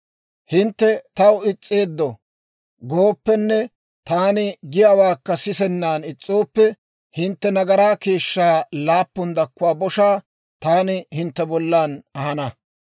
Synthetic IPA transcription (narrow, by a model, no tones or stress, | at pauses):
hɪnt̪ːɛt̪ɐwɪt͡sʼːe̞ːd̪ːɔ | ɡoːpːɛnːɛ | t̪aːnɪɡɪjaːwaːkːɐsɪsɛnːaːnɪt͡sʼːoːpːɛ | hɪnt̪ːɛnɐɡɐɾaːke̞ːʃːaːlaːpːʊnd̪ɐkːʊwaːbɔʃaː | t̪aːnɪhɪnt̪ːɛbɔlːaːnɐhɐnɐ